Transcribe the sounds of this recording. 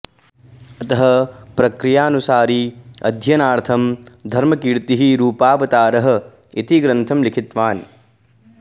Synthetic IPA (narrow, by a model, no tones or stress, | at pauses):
ɐt̪ɐɦɐ̆pɾɐkɾijaːnusaːɾiɐ̰d̪ʱjɐnaːɾt̪ʰɐmd̪ʱɐɾmɐkiːɾt̪iɦiɾuːpaːbɐt̪aːɾɐɦɐ̆ | it̪iɡɾɐnt̪ʰɐmlikʰit̪ʋaːn